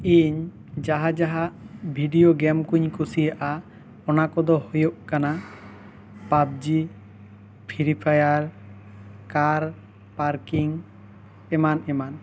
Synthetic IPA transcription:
iɲ | d͡ʒaɦad͡ʒaɦaʔbʱiɖijoɡɛmkuɲkusijaʔa | ɔnakɔd̪ɔhojoʔkana | pab̚d͡ʒi | pʰiɾipʰajaɾ | kaɾ | paɾkiŋ | ɛmanɛman

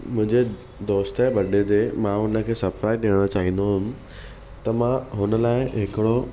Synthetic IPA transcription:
mʊ̃ɦɪ̃ɲd͡ʑe | d̪oːst̪əbɐɗed̪emãɦʊnə̆kʰeːsɐpɾaːɪɗiːɽ̃ot͡ɕaːɦĩn̆d̪oɦʊmɪ̆ | t̪ɐmãɦʊnə̆laːɪɦɪkɪɽo

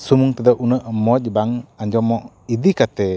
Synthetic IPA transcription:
sumuŋt̪əd̪əʔunəʔmɔc̚baŋaɲd͡ʒɔmɔʔ | id̪ikat̪ɛ

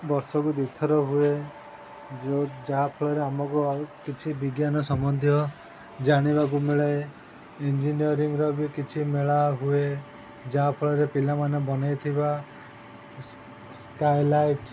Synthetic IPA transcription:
bɔɾsɔkud̪it̪ʰɔɾɔɦue | d͡ʒod͡ʒaɦapʰɔɭɔɾeamɔkukit͡ʃʰibiɡjanɔsɔmɔnd̪ʱjɔ | d͡ʒaɽ̃ibak̬umiɭa | end͡ʒiniɔɾiŋɾɔbikit͡ʃʰimeɭaɦue | d͡ʒaɦapʰɔɭɔɾepilamanebɔnajt̪ʰiba | skajlajʈ

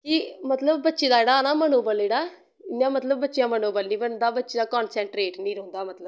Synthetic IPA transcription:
kimət̪ləbːətːʃeːd̪aːeːɽaːnaːmənoːbəleːɽaː | ɪnjãːmət̪ləbːətːʃɪjãːmənoːbəlnĩːbənd̪aːbətːʃeːd̪aːkɔːnsɛ̃ːɳʈɾeːʈnĩːɾɔ̃ːnd̪aːmət̪ləb

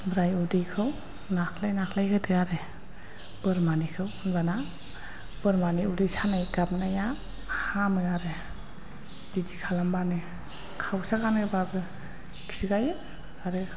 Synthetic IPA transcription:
bɾajudijkʰɯw | nakʰlajnakʰlajkʰɯtʰɯɡaɾɯ | bɯɾmanikʰɯwnbana | b̥ɯɾmaniudijsanajɡap̚naja | hamɯaɾɯ | b̥id͡ʒikʰalambanɯ | kʰawsakanɯbabɯ | kʰsiɡajɯ | aɾɯ

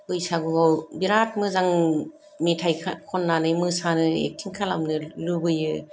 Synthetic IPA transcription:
ɯjsaɡuawbiɾat̚mɯzaŋ | mitʰajkʰkʰɔnːanɯjmɯsanɯḛkʰːiŋkʰalamnɯlɯbɯjɯ

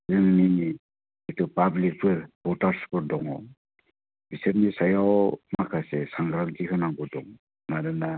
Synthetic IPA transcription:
zɯŋni | etɔpablik̚pɯɾbɔtaɾspɯɾdɔŋɔ | bisepnisajawmakʰasɛsaŋɡɾantikʰanaŋɡɔdɔŋ | naɾɯna

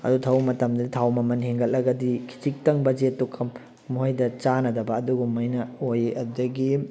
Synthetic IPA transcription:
ɐ̰dutʰawmɐtɐmdɐditʰawmɐmɐnheŋɡɐllɐɡɐdikʰi̥tik̚tɐŋbɐd͡ʒetːukʰɐm | muɦajdɐt͡ʃanɐdɐbɐːduɡumɐjnɐojʔɐdɐɡi

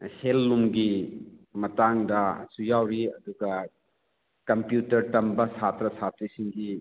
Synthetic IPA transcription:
helːumɡimɐtaŋdɐsujawɾiɐduɡɐ | kɐmpjutɐɾtɐmbɐsat̪ɾɐsat̪ɾisiŋɡi

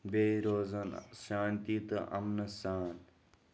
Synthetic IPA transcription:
beːɾoːzɐnʃaːnt̪it̪ʔɐ̰mnɐsaːn

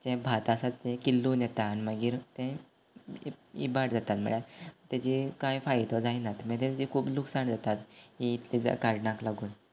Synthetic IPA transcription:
t͡ɕɛ̃bʱat̪asat̪ːɛ̃kilːuːnjɛt̪aːniməɡiːɾt̪ɛ̃ | ḭbaʈd͡zat̪at̪m̤ə̰ɭjat̪jat͡ɕikãjfajt̪ɔd͡zainat̪mɛ̃t̪et̪d͡ʑikʰuːbluksaɳd͡zat̪at̪iit̪lid͡za̰kaɾɖɳãklaɡuːn

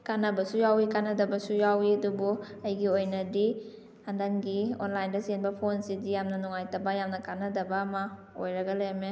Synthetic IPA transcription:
kanɐbɐsujawikanɐdɐbɐsujawiadubu | ɐjɡiojnɐdi | andanɡio̰nlajndɐsenbɐpʰonsidijamnɐnuŋajtabajamnɐkanɐdɐbaːmɐ | ojɾaɡalejame

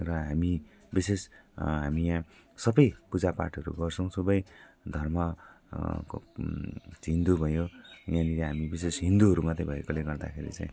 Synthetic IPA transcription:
rʌɦami | bisesɦamijãsʌbʌjpud͡zapa̰ʈʰʌɾṵɡʌrt͡sʰʌw̃subʌj | d̪ʱʌrmʌ | k | ɦind̪ubʱʌjojanileɦamibisesɦĩnd̪uɦʌɾumʌt̪ebʱʌekoleɡʌrd̪a̰kʰeɾḭt͡sãĩ

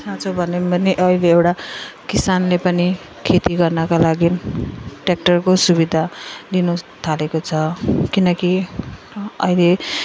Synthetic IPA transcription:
sat͡sʰobʱʌneʌniʔʌileːwʈakisanlepʌni | kʰet̪iɡʌrnʌkalaɡi | ʈek̚ʈʌrkosubid̪ʱalinut̪ʰalekot͡sʰʌkinʌki | ʌile

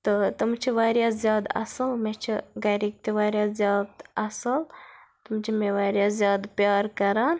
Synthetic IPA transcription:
t̪ɨt̪umt͡ʃʰiʋaːɾjaːzʲjaːd̪ɐ̰sɐlmet͡ʃʰiɡɐɾik̚t̪eʋaːɾjaːzʲjaːd̪ɐsɐlt̪umt͡ʃʰimeʋaːɾʲjaːzjaːd̪pjaːɾkɐɾaːn

